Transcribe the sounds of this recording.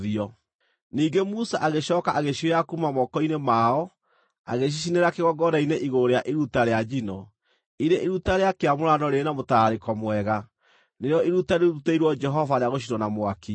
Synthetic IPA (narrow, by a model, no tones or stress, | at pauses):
ðiɔ | niːɡemusaʔaɣeɕɔːkaʔaɣeʃieakumamɔkɔinemaɔ | a̰ɣeɕ̬iʃ̬ineɾakeɣɔɡɔɾaineʔiɣoɾeaʔeɾutaɾead͡ʒinɔ | iɾeʔeɾutaɾeakeamoɾanɔɾeːnamotaɾekɔmwɛɣa | nejɔeɾutaɾeɾuteiɾwɔd͡ʒɛɦɔvaɾeaɣoʃ̬inɔnamwaki